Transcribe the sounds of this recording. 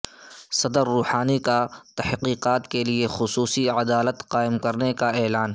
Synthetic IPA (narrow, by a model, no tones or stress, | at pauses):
sɐd̪əɾːuːhaːnikat̪ɐhqiːqaːt̪keliexʊsuːsiɐd̪aːlət̪qaːɪmkɐɾnekaɛːlaːn